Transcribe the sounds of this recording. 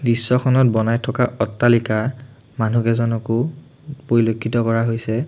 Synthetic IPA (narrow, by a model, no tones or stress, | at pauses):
bisːɔxʰɔnɔt̚bɔnajtʰɔkaʔɔtːalika | manukɛzɔnɔkʊ | poɹilokʰːitɔkɔɹaɦojsɛ